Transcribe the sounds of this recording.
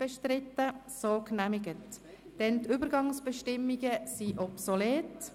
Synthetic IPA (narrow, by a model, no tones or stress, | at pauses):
b̥ɛʃtɾɪtːəsoːknæmɪɡət | d̥ɛntʏbəɾɡɑŋsb̥ɛʃtɪmːiɡəsiʔɔpsoleːt